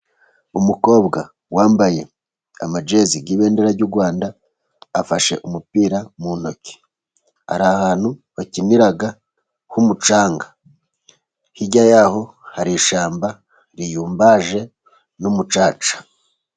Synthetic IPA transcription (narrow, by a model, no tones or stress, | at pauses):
umuko̞ːbɡa | waːmbaje̞ | a̰mad͡ʒe̞ziɡiːβe̞ːndeɾaɾɟuɾɡwaːndaː | faʃe̞̰ʔumupiːɾamuno̞ce̥ | ha̰ɾaahaːn̥huβaciniɾaɡa | humut͡ʃaːŋɡḁ | hiɟajaːho̞ | haɾiʃaːmba | ɾijuːmbaʒe̞ | numut͡ʃaːt͡ʃḁ